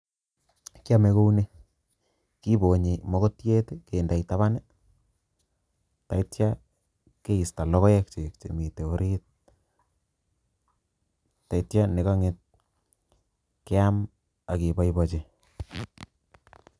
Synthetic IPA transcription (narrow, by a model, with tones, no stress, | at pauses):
kja˦me˨ko˦u˦ne˦ | ki˦bo˨ɲe˨mɔ˦ko˦tje˦teke˨nda˨ita˦βa˦ne˦ | ta˨itja˦ | ke˦i˨sta˨lɔ˦kɔ˦jɛ˦k̚t͡ʃe˨k̚t͡ʃḛ˨mi˨te˨o˦ɾit̚ | ta˨itja˦ne˨ka˦ŋet̚ | ke˦a˦m | a˨ki˨ba˦ijbɔ˨t͡ʃe